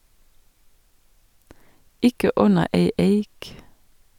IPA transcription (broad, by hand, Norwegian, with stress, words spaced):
ˈɪkə ˈʉnə ˈeɪ ˈeɪk